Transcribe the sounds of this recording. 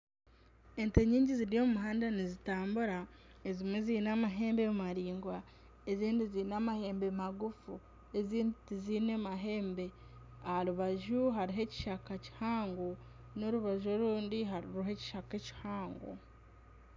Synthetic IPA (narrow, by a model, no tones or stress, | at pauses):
e̞nteɲiːɲɟiziɾijo̞ːmumuɦaːndanizitaːmbuɾaezimweziːnamaɦe̞ːmbemumaɾiːŋɡwa | eziːndiziːnamahe̞ːmbemaɡufu | e̞ziːnditiziːnemaɦe̞ːmbe̞ | ahaɾuβaʒuɦaɾiɦe̞ci̥ʃakaci̥haːŋɡo | no̞ɾuβaʒo̞ɾuːndiɦaɾiɾuɦe̞ci̥ʃakeci̥haːŋɡo̰